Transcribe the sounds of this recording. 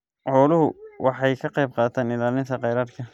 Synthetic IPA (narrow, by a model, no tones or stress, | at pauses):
ʕɔːlʊɦʊwʔɑħɑjkʰɐqɑjb̚qɑːt̪ʰaːnɪlaːlɪnt̪ʰɐqɑjɾaːrkʰɐ